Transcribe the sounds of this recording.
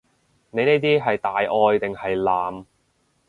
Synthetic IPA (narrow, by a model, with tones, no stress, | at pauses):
ne˨˧ne˥jt̪̬iː˥ɦɐ˨jt̪aː˨jʔɔː˧jt̪ɪ˨ŋhɐ˨jlaː˨m